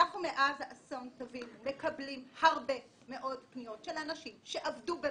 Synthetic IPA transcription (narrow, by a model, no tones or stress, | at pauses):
aχnumeʔazaʔaso̞ntovimːe̞kɐblimhaʁbe̞ | me̞ʔo̞dpnio̞tʃe̞lanaʃimʃe̞ʔavdube